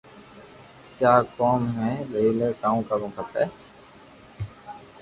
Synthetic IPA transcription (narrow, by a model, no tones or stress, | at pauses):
kjaːkoːmɦɛ̃ːləiːleːkaːũːkaːbõːkʰəpɛː